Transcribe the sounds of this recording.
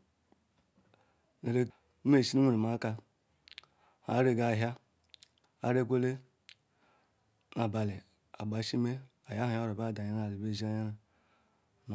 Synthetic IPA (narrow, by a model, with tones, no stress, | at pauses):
ne˨ɾe˨˦ | me˦˨si˦nu˦ŋʷe˨ɾe˨ma˨˦ka˦ | ha̰˨˦ɾe˦ɡa˨ɦja˦ | a̰˦ɾe˦k̬ʷe˦le˦ | na˨ba˨le˨ | a̰˨ɡ͡ba˨˦ʃi˦me˦ | a˨ja˦a˨˦a˦ɾo˨ba˦˨da˨ɲa˦na˨i˨be˦˨zi˦a˦ja˦na˨ | n˨